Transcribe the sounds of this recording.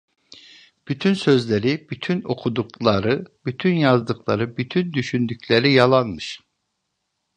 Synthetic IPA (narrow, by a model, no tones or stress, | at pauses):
b̥yt̪ʰynsø̞zlʲeɾib̥yt̪ʰyno̞kʰud̪uklˠaɾɯbyt̪ʰynjazd̪ɯklˠa̰ɾɯbyt̪ʰynd̪yʃynd̪yclʲeɾijalˠanmɯʃ